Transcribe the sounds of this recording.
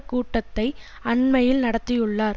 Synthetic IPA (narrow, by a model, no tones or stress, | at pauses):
kːuːʈːɐt̪ːɐɪ | ɐɳmɐjɪlnɐɽɐt̪ːɪjɯɭːaːɾ